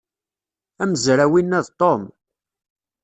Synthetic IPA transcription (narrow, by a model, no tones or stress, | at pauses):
æməzɾæwinːæðt̪ˤom